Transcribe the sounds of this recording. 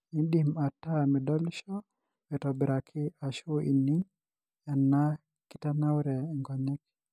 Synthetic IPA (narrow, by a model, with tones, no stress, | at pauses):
i˦ndima˨tːa˦mɛ˨dɔ˦lʃɔ˦ | mɛ˨tɔ˨bɪ˨ɾa˨kʰɪ˦a˨ʃo˦ʔḭ˨ni˦ŋ | a˨nːa˦ | kɪ˦ta˦na˦wɾɛ˨ŋɡɔ˨ɲɛ˦k